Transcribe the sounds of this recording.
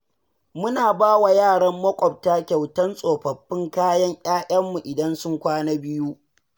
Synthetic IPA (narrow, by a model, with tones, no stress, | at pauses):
mʊ˦naː˨baː˦wa˨jaː˦˨ɽɐ˦mːɐ˦kʷʼɔ˨b̚taː˦kʲa˨wtɐ˦nsʼoː˨ɸɐ˨ɸːɪ˦ŋkaː˦jɐ˦ŋʔʲʼaː˦ʔʲɐ˦mːu˨ʔɪ˨dɐ˦nsʊ˦ŋkʷaː˦naː˦bɪ˦ju˦ʔ